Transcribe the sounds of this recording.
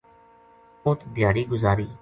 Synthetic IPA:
ʊt̪d̪ɪjaːɾiːɡʊzaːɾiː

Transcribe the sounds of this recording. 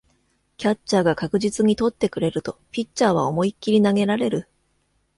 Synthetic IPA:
kʲat͡ɕt͡ɕːaːɡakakɯ̟ʑit͡sɨɲ̟it̪o̞t̪ːe̞kɯ̟ɾe̞ɾɯ̟t̪o̞pʲitt͡ɕːaːβ̞a̰o̞mo̞ikʲːiɾʲinaɡe̞ɾaɾe̞ɾɯ̟

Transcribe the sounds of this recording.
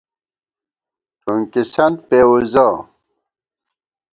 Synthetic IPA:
tʰuŋkisɐnd̪̚pewuza

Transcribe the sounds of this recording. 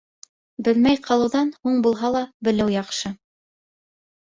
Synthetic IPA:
bɘlmæjqɑlˠɤ̆wðɑnhuɴbulˠɦɑlˠɑbɘ̆lɘwjɑqʃɤ

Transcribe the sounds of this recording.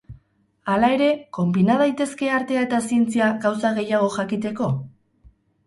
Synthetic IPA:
alae̞ɾe̞ko̞mbinað̞ajt̪e̞ske̞aɾt̪e̞aet̪asient͡siaɣawsaɣe̞jaɣ̞o̞ʝakit̪e̞ko̞

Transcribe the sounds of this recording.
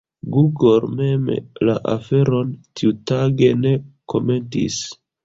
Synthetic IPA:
ɡuɡolme̞mlaʔafe̞ɾo̞ntiutaɡe̞ne̞kʰo̞̰me̞ntḭs

